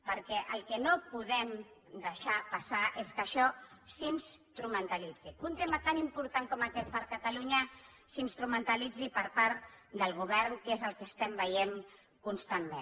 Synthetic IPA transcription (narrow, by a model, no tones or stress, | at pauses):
pəɾkɛʔəlˠkənopuðɛm | d̪əʃapasaʔeskəʃɔsinst̪ɾumənt̪alid͡ziunt̪emət̪animpuɾt̪aŋkɔməkɛt̪̚pəɾkət̪aluɲə | sinst̪ɾumənt̪əlid͡zipəɾpaɾt̪d̪əlˠɣ̞uβɛɾnkezəlˠkəst̪ɛmbəjeŋ | kunst̪amːẽn